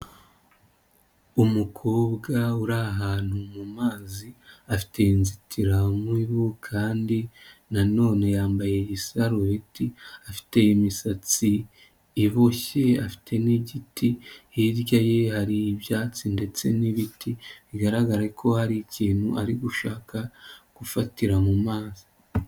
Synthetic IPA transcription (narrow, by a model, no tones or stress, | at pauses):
umukʰoːbɡauɾaɦaːn̥humumaːziafi̥te̞jinzitʰiɾamwiβukʰaːndinano̞ːne̞jaːmbaje̞jisaɾoβitiafi̥te̞jimisat͡siː | βoçe̞afi̥tʰe̞niɟitiiɾɟajehaɾiːbjaːt͡sinde̞t͡se̞niβitiβiɡaɾaɡaɾekʰo̞haɾiciːn̥huʔaɾiɡuʃaːkʰaɡ̥ufatiɾamumaːzi